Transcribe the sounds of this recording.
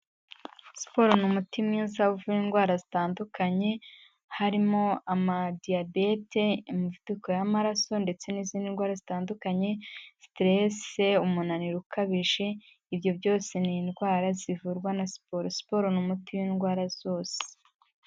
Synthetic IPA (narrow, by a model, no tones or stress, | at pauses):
spo̞ɾonumutimŋiːzauvuɾiːnɡwaːɾazitaːndukaɲe̞ | haɾimo̞amadiabe̞te̞muvuduko̞jamaɾaso̞nde̞t͡se̞niziːndinɡwaːɾazitaːndukaɲe̞stɾeseumunaniɾukaβiʒe̞ | ibjo̞bjo̞ːse̞niːnɡwaːɾazivuɾɡwanaspoɾospo̞ɾonumutiwiːnɡwaːɾaz̥o̞ːse̥